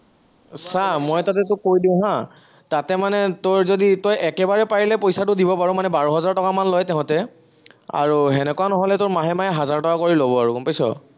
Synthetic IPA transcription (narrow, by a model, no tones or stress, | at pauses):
samojtatɛtʊkojdiʊ̃ɦã | tatɛmanɛtoɹzoditojɛkɛbaɹɛpaɹilɛpojsatʊdibɔpaɹʊ̃manɛbaɹɔɦɔzaɹtɔkamanlɔjtɛɦʊ̃tɛ | a̰ɹuɦɛnɛkuanɔɦɔlɛtoɹmaɦɛmajɛɦazaɹtɔkakoɹilobɔaɹukɔmpajsɔ̰